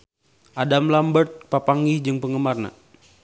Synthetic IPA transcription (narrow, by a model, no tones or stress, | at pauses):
ʔadamlambərt̪̚papaŋɡid͡ʒəŋpəŋəmarna̰